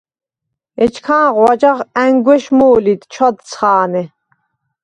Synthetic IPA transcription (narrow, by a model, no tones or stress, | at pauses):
ɛt͡ʃʰkʰaːʁwad͡ʒaχæŋɡwɛʃmuːlid̪t͡ʃʰɔd̪̚t͡sʰχaːnɛ